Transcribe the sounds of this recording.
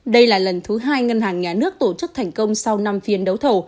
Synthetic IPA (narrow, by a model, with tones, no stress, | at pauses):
ɗə˧jlaː˨˩lə˨˩nt̪ʰɨ˨˦ɦaː˧jŋə˧nɦaː˨˩ŋɲaː˨˩nɨ˦˥ək̚t̪o˧˩t͡ɕɨ˦˥k̚t̪ʰɛ˨˩jŋ̟kə˧wŋ͡msa˧wna˧mfi˨˧ənɗə˨˦wt̪ʰo˧˩